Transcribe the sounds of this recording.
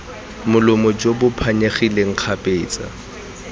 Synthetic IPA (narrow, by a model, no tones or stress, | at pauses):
mʊlʊmɔd͡ʒobʊpʰaɲeχileŋ̩q͡χʰapʼeːt͡sʼa̰